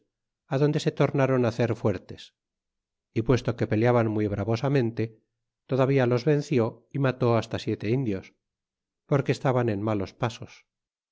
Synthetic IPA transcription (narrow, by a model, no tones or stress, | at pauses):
aðo̞nd̪e̞se̞t̪o̞ɾnaɾo̞naθe̞ɾfwe̞ɾt̪e̞s | ipwe̞st̪o̞ke̞pe̞ljaβanmwiβɾaβo̞samẽ̞nt̪e̞ | t̪o̞ðaβialo̞zβe̞n̟θjo̞imat̪o̞ast̪asje̞t̪e̞ind̪jo̞s | po̞ɾkeːst̪aβanenmalo̞spaso̞s